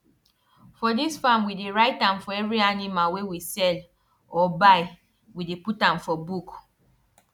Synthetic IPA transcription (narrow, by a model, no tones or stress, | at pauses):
fɔdisfamwideɹaɪtãmfɔɛvɹianimalwewisɛl | ɔbaɪ | wideputãmfɔbuk